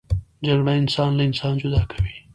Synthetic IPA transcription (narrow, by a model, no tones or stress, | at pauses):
d͡ʒaɡɽaɪnsɑːnlaɪnsɑːnd͡ʒʊd̪ɑːkʰḁwi